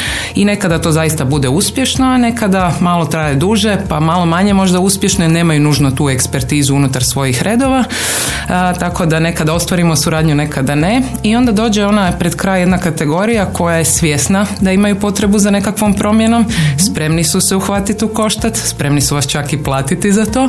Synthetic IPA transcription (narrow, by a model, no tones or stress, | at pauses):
ine̞kad̪at̪o̞ːzajist̪abud̪euspje̞ʃnane̞kad̪amalˠo̞t̪ɾajed̪uʒe̞pamalo̞maɲemo̞ʒd̪auspje̞ʃnojne̞ːmajunuʒnot̪uːe̞kspeɾt̪iːzuunut̪aɾsʋo̞jixɾʔe̞d̪o̞ʋa | t̪ako̞d̪ane̞kad̪ao̞st̪ʋaɾimousuɾaːd̪ɲune̞kad̪aneio̞nd̪ad̪o̞ːd͡ʑeo̞napɾed̪kɾaːjje̞d̪nakat̪e̞ɡo̞ɾijako̞jajesʋʲje̞snad̪aimajupo̞t̪ɾe̞buzane̞kakʋo̞mpɾo̞mjenomspɾe̞mnisusɛuxʋat̪it̪uko̞ʃt̪at̪spɾe̞mnisuʋast͡ʃakiplˠaːt̪it̪izat̪o̞ː